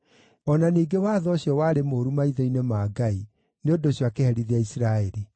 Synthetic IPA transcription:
ɔnaniːɡewaːðɔːɕjɔwaːɾemoːɾumaiðɔinemaːɡai | neondoɕjwakehɛɾiðeaisiɾaeɾi

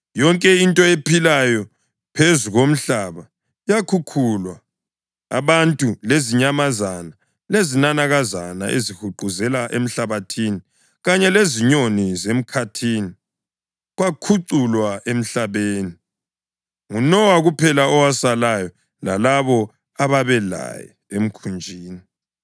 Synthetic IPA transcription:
jɔŋkʼɛintʼɔepʰilajɔ | pʰezuɣom̩ɬaβa | jakʰukʰulwa | a̰βantʼuleziɲamazana | lezinanaɣazana̰ʔḛzihuǃuzɛlaʔem̩ɬaβatʰiːni | ɣaɲɛleziɲonizem̩kʰatʰiːni | ɣakʰuǀulwaʔem̩ɬaβeːni | ŋunɔwaɣupʰɛlaɔwasalajɔ | lalaβɔ | aβaβɛla̰jɛ̰ | em̩kʰund͡ʒʱiːni

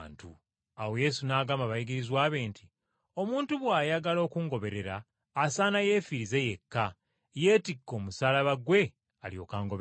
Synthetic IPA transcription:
ntu | awo̞je̞ːsunaːɡaːmaβajiɡiɾizwaːβe̞ːntʰi | o̞muːntuβwaːjaɡalo̞ːkuŋɡo̞βe̞ɾe̞ɾaː | saːnaje̞ːfiɾize̞je̞kːa | je̞ːtikːo̞ːmusaːlaβaɡwe̞ | alijo̞̰ːkaːŋɡoβ

